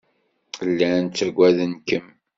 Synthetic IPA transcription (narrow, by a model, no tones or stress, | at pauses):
lːænt͡sːəɾɡʷæðənkəm